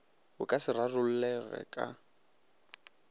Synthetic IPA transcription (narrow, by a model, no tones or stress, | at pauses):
ʊkʼasɪrarʊl̩lɛɣɛ̰kʼa